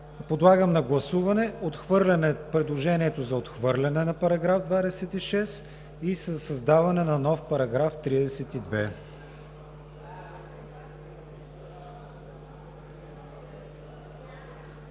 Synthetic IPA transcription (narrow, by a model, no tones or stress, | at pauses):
pod̪lˠaɡəmnɐɡlˠɐsuvɐnɛot̪xvɤɾlʲɐnɛpɾɛd̪lˠoʒɛniɛt̪ozɐot̪xvɤɾlʲɐnɛnɐpɐɾɐɡɾavd̪vad̪ɛsɛt̪iʃɛs | isəsɐzd̪avɐnɛnɐnɔfpɐɾɐɡɾaft̪ɾid̪ɛsɛt̪id̪vɛ